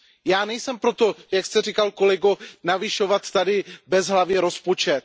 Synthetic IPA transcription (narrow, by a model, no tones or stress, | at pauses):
jaːnɛjsɛmpɾot̪o̞jakst̪ɛrikalko̞lɛɡonavɪʃo̞vat̪ːadɪbɛzɦlavjɛɾo̞spo̞t͡ʃɛt̪